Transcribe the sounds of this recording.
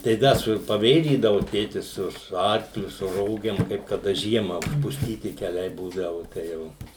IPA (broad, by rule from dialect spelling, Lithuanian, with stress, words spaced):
tɐɪ ˈdɐ sʊ pɐˈʋʲeːʒʲiːdɐʋʊ ˈtʲeːtʲɪs ˈsʊ sʊ ˈɐrklʲʊ sʊ ˈroːɡʲeːm kɐɪp kɐˈdɐ ˈʒʲiɛmɐ ʊʃpʊsʲˈtʲiːtʲɪ kʲɛˈlʲɛɪ ˈbuːdɐʋʊ tɐɪ ˈjɛʊ